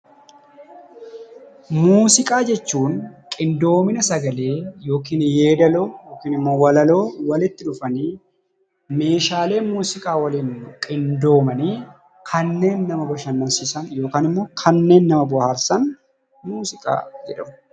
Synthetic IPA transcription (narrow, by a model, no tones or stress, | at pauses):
muːsɪkʼaːd͡ʒɛt͡ʃːuːnkʼɪnd̪o̞ːmɪnɐsɐɡɐle̞ːjo̞ːkiːnje̞ːd̪ɐloːjoːkiːnɪmːo̞ːwɐlɐlo̞ːwɐlɪt̪ːɪᶑʊfɐniː | me̞ːʃaːle̞ːmuːsɪkʼaːwɐliːnkʼɪnd̪o̞ːmɐniː | kʰɐnːe̞ːnːɐmɐbɔʃɐnːɐnsisɐnjo̞ːkaːnɪmːoːkʰɐnːe̞ːnːɐmɐbʊhaːɾsɐn | muːsɪkʼa̰ːd͡ʒɛᶑɐmʊ